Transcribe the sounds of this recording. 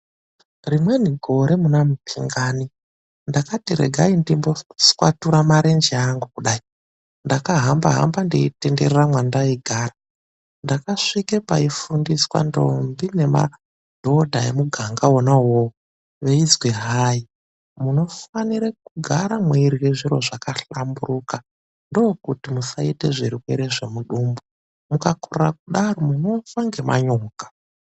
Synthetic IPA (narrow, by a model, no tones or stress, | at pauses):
rimwe̞niɡʱo̞ɾe̞munamupʰiŋɡaːni | ndakatiɾḛɡʱaindimbo̞skwatuɾamaɾend͡ʒiaŋɡukuɗaːi | ndakaɦamba̰ɦa̰mbandeite̞nde̞reramwandaiɡʱara | ndakaʂikepa̰ifundiswa̰ndo̞̰mbine̞ma̰ | d̥ʱo̞dʱaemuɡʱaŋɡaonaɦo | ʋeid͡zweɦaji | muno̞faniɾekuɡʱaɾamweiɾiweʐiɾo̞ʐakaɬamburuːka | ndoːkutimusaite̞ʐiɾiweɾeʐe̞muɗuːmbu | mukakurrakuɗaɾomuno̞faŋɡemʔa̰ɲoːɡḁ